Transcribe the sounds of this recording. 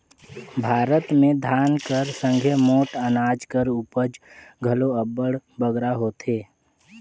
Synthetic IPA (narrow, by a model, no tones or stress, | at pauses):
bʱaːɾət̪mẽd̪ʱaːnkəɾsə̃ŋɡʱemoːʈənaːd͡ʒkəɾuːpəd͡ʒ | ɡʱəloəbəɽbəɡɾaɦoːt̪eː